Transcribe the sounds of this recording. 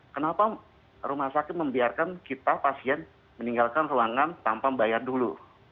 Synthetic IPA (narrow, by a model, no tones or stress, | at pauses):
kənapa | ɾumahsakɪt̪̚məmbiarkankit̪apasiɛn | məniŋɡalkanruaŋant̪ampaŋbajardulṵ